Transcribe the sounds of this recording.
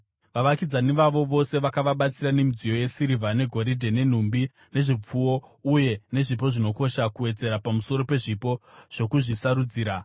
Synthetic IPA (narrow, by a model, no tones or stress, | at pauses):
ʋaʋakid͡zaniʋaʋo̞ʋo̞se̞ʋakaʋaɓat͡siɾane̞mid͡zijo̞je̞siɾivʱane̞ɡʱo̞ɾidʱene̞n̤umbi | ne̞ʐip͡fuo̞uje̞ne̞ʐip̬o̞ʐino̞ko̞ʃakuwe̞d͡ze̞ɾapamuso̞ɾo̞pe̞ʐipo̞ʐ̥o̞kuʐisaɾud͡ziːɾa